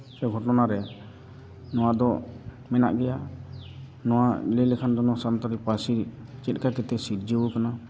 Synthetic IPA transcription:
sɛɡʱɔʈɔnaɾɛ | nɔw̃ad̪ɔ | mɛna̰ʔɡɛja | nɔwalɛlɛkʰand̪ɔnɔsant̪aɾipasit͡ʃɛt̪̚ˀkakɛt̪ɛsiɾd͡ʒiwukana

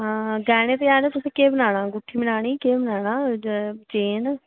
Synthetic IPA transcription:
ɡɛːɽ̃ẽːt̪eaːnːt̪ʊsẽːkeːbənaːɽãːɡʊʈʰːiːbənaːɽ̃iːkeːbənaːɽaːt͡ʃeːn

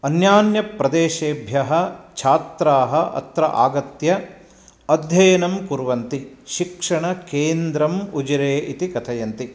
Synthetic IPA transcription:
ɐnjaːnjɐpɾɐd̪eːʃeːbʱjɐɦɐt͡ʃʰaːt̪ɾaːɦɐʔɐ̰t̪ɾɐ̰ʔa̰ːɡɐt̪jɐ | ɐd̪ʱjɐjɐnɐmkuɾʋɐnt̪iʃikʂɐɳɐkeːnd̪ɾɐmud͡ʒɐɾeːʔit̪ikɐt̪ʰɐjɐnt̪i

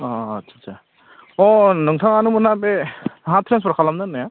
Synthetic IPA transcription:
ɔːtsʰasʰa | ɔnɔŋtʰaŋanumanabeɦãt̪ʰɾenspɾakʰalamdanːaja

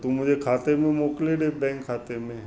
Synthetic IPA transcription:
t̪umʊd͡ʒʱekʰaːt̪emẽmoːkleɖebɛ̃ːŋkʰːaːt̪emẽ

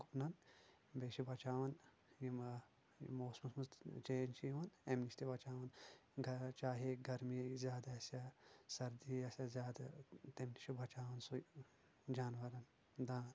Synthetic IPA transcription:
ɡupnɐn | beːʃibʱɐt͡ʃaːʋɐn | jim | moːsmusmust̪t͡ʃeːnt͡ʃiiʋɐnemnist̪ibʱɐt͡ʃaːʋɐnɡɐt͡ʃaːɦeɡɐɾmizʲjaːd̪aɐsɐsɐɾd̪iɐsʲɐzʲjaːd̪at̪emniʃubʱɐt͡ʃaːʋɐnsu | d͡ʒaːnʋɐɾɐn | d̪aːn

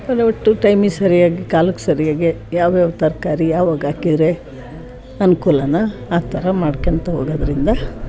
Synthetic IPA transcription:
bɐɾeʋɐʈːuʈɐjmisɐɾijaːɡikaːlukːsɐɾijaːɡejaːʋjaʋɐt̪ɐɾkaːɾijaːʋaːɡaːkid̪ɾe | ɐnukuːlɐnɐaːt̪ʰɐɾɐmaːɖkeɐnt̪ɐɦoːɡɐd̪ɐɾind̪ɐ

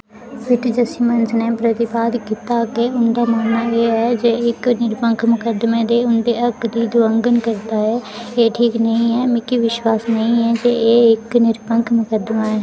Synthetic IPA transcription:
pɪʈd͡ʒəsĩːmənznẽːpɾət̪ɪpaːd̪kit̪aːkeːʊnd̪aːmaːnaːeːɛːd͡ʒeːɪknɪɾpəŋkʰmʊkəd̪mẽːd̪eːʊnd̪eːəkd̪iːd̪oəŋɡənkəɾd̪aːɛː | eːʈʰiːknəĩːɛːmɪkiʋɪʃwaːsnəĩːɛːd͡ʒeːeːɪknɪɾpəŋkʰmʊkəd̪maːɛː

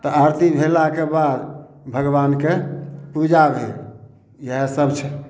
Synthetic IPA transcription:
t̪ɔəɾt̪ibʱelakebad̪ | bʱəɡʋankepud͡ʒabʱel | jəɦesəbt͡ʃʰɛ

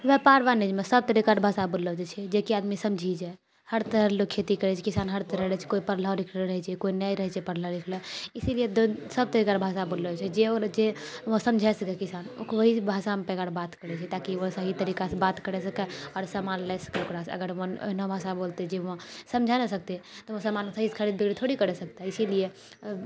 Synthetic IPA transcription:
ʋepaɾʋaned͡ʒmesəb̚t̪əɾikaʈbʱasaboləd͡ʒɛt͡ʃʰɛd͡ʒekiad̪misəmd͡ʒʱid͡ʒae | həɾt̪əɾəɾlokʰːet̪ikəɾɛt͡ʃʰɛkisanɦəɾt̪əɾəɾɛt͡ʃʰɛ̥koipəɾlaɾikʰləɾəɦɛt͡ʃʰɛkoinəiɾəɦɛt͡ʃɛpəɾləlikʰləisilied̪osəb̚t̪əɾikaɾbʱasabolət͡ʃʰɛd͡ʒeoɾd͡ʒeʋõsəmd͡ʒʱasəkɛkisano̰kʋəɦibʱasampeɡaɾbat̪kəɾɛt͡ʃʰɛt̪akiʋosəɦit̪əɾikasebat̪kəɾɛsəkɛɔɾsəmalːɛsə̥keukɾasə̰ɡəɾməno̰ɦnobʱasabolt̪ɛd͡ʒeʋ̃səmd͡ʒʱanesəkt̪et̪ɔʋosəmalsəɦiskʰəɾid̪bʱiɡɽit̪ʰoɽikəɾɛsəkt̪aisilie

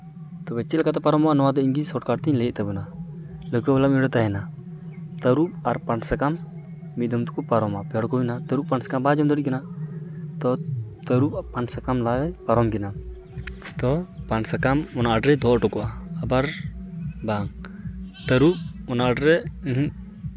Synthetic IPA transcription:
t̪ɔbɛt͡ʃːɛlkat̪ɛpaɾɔmɔʔanɔwad̪ɔiŋɡisɔʈkaɾt̪ɛɲlɛʔt̪abunaləkɔbɛlamiɽɔt̪aɦɛna | t̪əɾup̚aɾpansakamː | it̪̚ˀd̪ɔmt̪u̥kupaɾɔmapɔɽkɔinat̪əɾup̚pansḁkambad͡ʒɔmd̪ɔɽiʔ̚kina | t̪ɔt̪əɾuppansakamlawɛpaɾɔmɡina | t̪ɔpansakamɔnaɖɾɛd̪ʱɔʔʈɔkɔʔaːbaɾ | baŋ | t̪əɾup̚ɔnaɖɾɛ

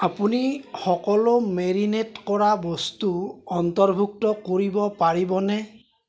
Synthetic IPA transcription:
apunixɔkɔlomeɹinetkɔɹabɔstuɔntɔɹbʱuk̚tɔkoɹibɔpaɹibɔnɛ

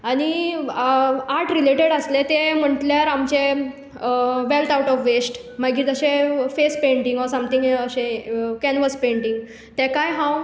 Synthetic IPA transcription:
aɽ̃i | aɾʈɾileʈeɽəslet̪em̤əɳʈljaɾamt͡ɕe | ʋelt̪awʈɔfʋesʈ | maɡiːt̪əɕefespeɳʈiŋɡɔɾsəmt̪iŋɡeəɕẽkɛnʋəspeɳʈĩŋɡ | t̪ɛ̃kajɦãw

